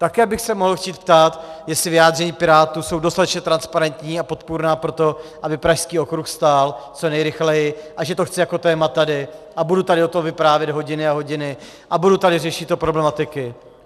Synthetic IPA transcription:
t̪akɛːbɪxsɛmo̞ɦl̩xciːt̪̚pt̪aːt̪jɛsɪvɪjaːd̪rɛɲiːpɪɾaːt̪uːso̞wdost̪at̪ɛt͡ʃɲɛt̪ɾanspaɾɛnt̪ɲiːapo̞t̪puɾnaːpɾo̞t̪o̞ʔabɪpɾaʃskiːo̞kɾuxst̪aːlt͡so̞nɛjɾɪxlɛjɪʔaʒɛt̪o̞xt͡sɪjako̞t̪ɛːmat̪adɪʔabudut̪adɪot̪o̞mvɪpɾaːvjɛd̪ɦo̞ɟɪnɪaɦo̞ɟɪnɪ | ʔabudut̪adɪrɛʃɪt̪ːopɾo̞blɛmat̪ɪkɪ

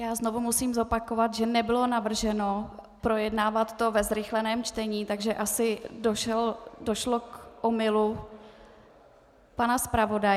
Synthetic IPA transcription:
jaːzno̞vumusiːmzo̞pako̞vat̪ʒɛnɛbɪlo̞navr̩ʒɛno̞ | pɾo̞jɛdnaːvat̪ːo̞vɛzɾɪxlɛnɛːmt͡ʃt̪ɛɲiːt̪aɡʒɛʔasɪdoʃɛldo̞ʃlokʔomɪlu | panaspɾavo̞daj

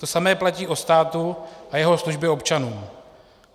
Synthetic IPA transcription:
t̪osamɛːplaciːʔotst̪aːt̪uʔajɛɦo̞sluʒbɛo̞pt͡ʃanuː

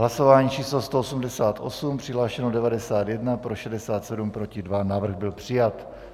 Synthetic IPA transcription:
ɦlaso̞vaːɲiːt͡ʃiːslost̪oosumdɛsaːt̪ʔo̞sumpr̥ɪɦlaːʃɛnodɛvadɛsaːt̪jɛdnapɾo̞ʃɛdɛsaːt̪sɛdumpɾo̞cɪdvanavr̩ɣbɪlpr̝̥ɪjat̪

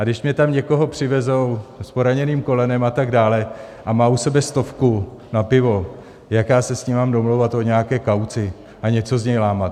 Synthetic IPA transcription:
ʔadɪʃmɲɛt̪amɲɛko̞ɦo̞pr̝̥ɪvɛzo̞wspo̞ɾaɲɛniːmko̞lɛnɛmat̪aɡdaːlɛ | ʔamaːusɛbɛst̪o̞fkunapɪvo̞ | jakjaːsɛsɲimaːmdo̞mlowvat̪ʔo̞ɲɛjakɛːkawt͡sɪ | ʔaɲɛt͡so̞zɲɛjlaːmat̪

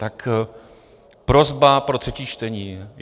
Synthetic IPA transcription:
t̪ak | pɾo̞zbapɾo̞t̪r̝̥ɛciːt͡ʃt̪ɛɲiːɛ

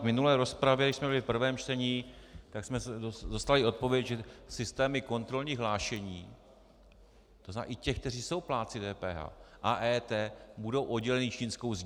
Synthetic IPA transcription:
vmɪnulɛːɾo̞spɾavjɛdɪʃsmɛbɪlɪfpr̩vɛːmt͡ʃt̪ɛɲiːt̪aksmɛsɛodost̪alɪo̞t̪̚po̞vjɛcʒɛsɪst̪ɛːmɪko̞nt̪ɾo̞lɲiːɣɦlaːʃɛɲiː | t̪ozna̰ːʔɪcɛxk̚t̪ɛriːso̞wplaːt̪t͡sɪdɛːpɛ̰ːɦa̰ːʔaʔɛːt̪ɛːbudo̞wʔo̞dɟɛlɛnɪt͡ʃiːnsko̞wz

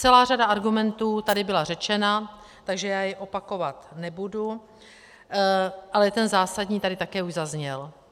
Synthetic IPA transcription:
t͡sɛlaːr̝adaʔaɾɡumɛnt̪uːt̪adɪbɪlarɛt͡ʃɛna | t̪aɡʒɛjaːjɛʔo̞pako̞vat̪nɛbudu | ʔalɛjɛt̪ɛnzaːsadɲiːt̪adɪt̪akɛːuʒzazɲɛl

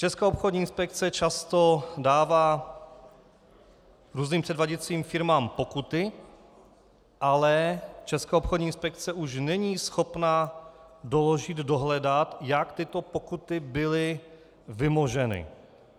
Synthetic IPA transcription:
t͡ʃɛskaːopxodɲiːɪnspɛk̚t͡sɛt͡ʃast̪o̞daːvaː | ɾuːzniːmpr̥ɛdvaɟɛt͡siːmfɪɾmaːmpo̞kut̪ɪ | ʔalɛt͡ʃɛskaːopxodɲiːɪnspɛk̚t͡sɛʔuʃnɛɲiːsxo̞pna | doloʒɪd̪doɦlɛdat̪jakt̪ɪt̪o̞pokut̪ɪbɪlɪ | vɪmoʒɛnɪ̰

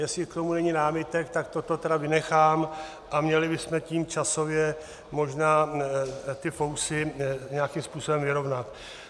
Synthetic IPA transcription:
jɛslɪkt̪o̞munɛɲɪnaːmɪt̪ɛkt̪ak̚t̪ot̪o̞t̪ɛdavɪnɛxaːm | ʔamɲɛlɪbɪsmɛciːmt͡ʃaso̞vjɛ | mo̞ʒnaː | t̪ɪfowsɪɲeakimspuːso̞bɛmvɪɾo̞vnat̪

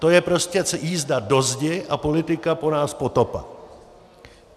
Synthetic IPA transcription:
t̪o̞jɛpɾo̞scɛt͡sjiːzdado̞zɟɛʔapo̞lɪt̪ɪkapo̞naːspo̞t̪opa̰

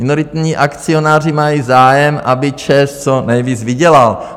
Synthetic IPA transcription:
ɪnoɾɪt̪ɲiːʔakt͡sio̞naːr̝ɪmajiːzaːjɛmʔabɪt͡ʃɛst͡sonɛjviːt͡svɪɟɛlal

